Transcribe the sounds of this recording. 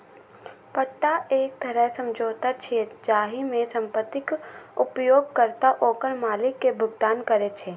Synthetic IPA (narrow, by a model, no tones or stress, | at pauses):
pəʈːaeːk̚t̪ʰɐɾɛɦsə̃md͡ʒoːt̪at͡ʃʰed͡ʒaːɦimẽsə̃mpət̪ːɪkʊpjoːɡ̚kəɾt̪aʔoːkəɾmaːlɪkːebʱʊɡd̪aːnkəɾet͡ʃʰeː